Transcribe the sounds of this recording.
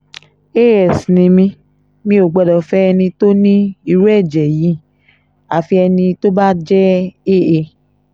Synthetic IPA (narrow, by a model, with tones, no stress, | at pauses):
e˦˨ɛ˨snĩ˧mĩ˧ | mĩ˧o˨ɡ͡bɛ˧dɔ˨fɛ˦ɛ˧nĩ˧to˦nĩ˦i˦˧ɾu˦ɛ˦˨d͡ʒɛ˨ji˨˦ | a˨fi˧ɛ˧nĩ˧to˦ba˦d͡ʒɛ˦e˦˨e˧˨